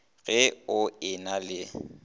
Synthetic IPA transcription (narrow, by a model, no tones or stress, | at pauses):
ɣɛʊɪnalɪ